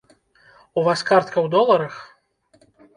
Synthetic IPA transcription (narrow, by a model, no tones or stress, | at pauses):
uvaskart̪̚kɐwd̪ɔlˠɐɾɐx